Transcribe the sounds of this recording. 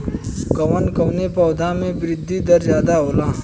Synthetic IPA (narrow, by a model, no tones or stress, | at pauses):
kəwənkəʊnepɔːd̪ʱãmẽbɾɪd̪ʱːid̪əɾzjaːd̪aɦoːlaː